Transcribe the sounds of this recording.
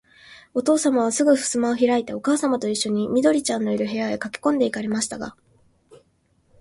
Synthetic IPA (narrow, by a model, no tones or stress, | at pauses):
o̞t̪o̞ːsamaβ̞asɨɡɯ̟ɸɯ̟̥sɨmaoçiɾait̪e̞o̞kaːsamat̪o̞iɕːo̞ɲ̟imʲid̪o̞ɾʲit͡ɕãnːo̞iɾɯ̟ɦe̞jae̞kakʲi̥kõ̞nd̪e̞ikaɾe̞maɕi̥t̪aɡa̰